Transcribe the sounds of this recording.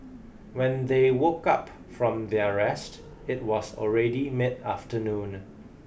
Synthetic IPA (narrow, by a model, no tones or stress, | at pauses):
wɛ̃nd̪ewokap | fɹɔ̃mdiəɹɛst | ɪt̚wɔsɔ̰lɹɛdimɪdaftənũn